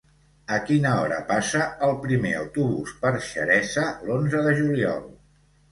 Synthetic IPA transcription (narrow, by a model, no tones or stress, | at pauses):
əkinəɔɾə̰pasəəlˠpɾimeə̰wt̪uβuspəɾʃə̰ɾɛzəlonzəðəʒuliɔ̰lˠ